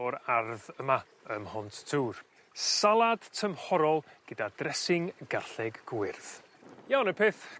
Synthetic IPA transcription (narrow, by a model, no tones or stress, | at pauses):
ɔɾarðəma | əmhɔntʰtʰuːr | salˠad̥tʰəmhɔɾɔlˠɡ̥ədadrɛsɪŋɡarɬɛɡːwɪrθ | jawnəpʰeːθ